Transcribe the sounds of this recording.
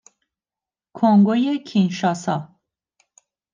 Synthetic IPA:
kʰoŋɡojekʰinʃɒːsɒː

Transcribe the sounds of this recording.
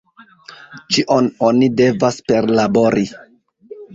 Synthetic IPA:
t͡ʃiʔo̞no̞nide̞vaspe̞ɾlabo̞ɾi

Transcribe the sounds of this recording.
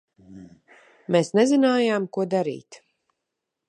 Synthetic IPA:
meːsnezinaːjaːmkuɔd̪aɾḭːt̪

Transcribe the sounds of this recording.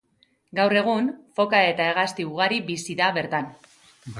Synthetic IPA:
ɡawre̞ɣ̞unfo̞kae̞t̪ae̞ɣ̞ast̪iuɣ̞aɾibisiðaβe̞ɾt̪an

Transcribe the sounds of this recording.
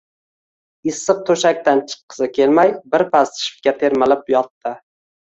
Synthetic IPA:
ɪsːɨq̚t̪ʰoʃak̚ʲt̪ant͡ʃʰɨ̥qʰːɨ̥sɪkʲʰelmajbɪɾpʰast̪ʃɪ̥fkʲat̪ʰe̞ɾmalɪpjɒt̪ːɪ

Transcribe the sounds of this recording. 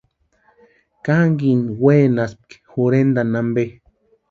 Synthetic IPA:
kaŋɡinweːnasp̚kxuɾend̪anambe

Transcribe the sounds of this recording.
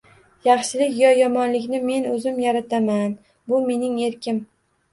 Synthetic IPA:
jɑχʃɪlɪkʲjɒjɒmɒnlɪkʲnɪme̞nɵzɪmjaɾat̪ʰaman | bʊme̞nɪŋe̞ɾkʲʰɪm

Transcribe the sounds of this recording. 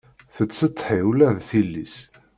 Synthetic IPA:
θət͡sːət̪ˤːħiwlæðθilːḭs

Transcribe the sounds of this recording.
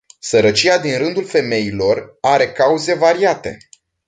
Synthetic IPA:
səɾət͡ʃiad̪inrɨnd̪ulfe̞me̞ilo̞raɾe̞kauze̞vaɾiat̪e̞̰

